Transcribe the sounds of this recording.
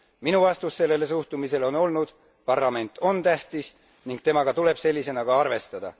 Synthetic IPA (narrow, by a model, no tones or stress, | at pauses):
minuvɑst̪usːe̞lːe̞les̬uht̪umise̞lo̞no̞lnud̪̥ | pɑrlɑme̞nt̪ːˑo̞nt̪æht̪is | niŋɡ̥̚t̪e̞mɑɡ̥ɑt̪ule̞b̥se̞lʲːise̞nɑkɑɑrve̞st̪ɑd̪̥ɑ̰